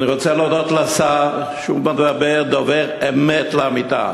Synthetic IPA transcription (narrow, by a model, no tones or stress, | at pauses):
niʁot͡selod̪ot̪lasaʁ | ʃubanvabeʁd̪oveʁemet̪laamit̪a̰